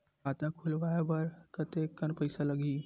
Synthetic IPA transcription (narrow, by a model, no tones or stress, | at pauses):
aːt̪ãkʰʊlʋaebəɾkət̪ekənpəɪsalɐɡi